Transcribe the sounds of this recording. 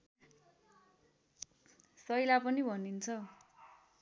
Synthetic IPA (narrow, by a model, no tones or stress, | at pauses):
sʌjlapʌnibʱʌnint͡sʰʌ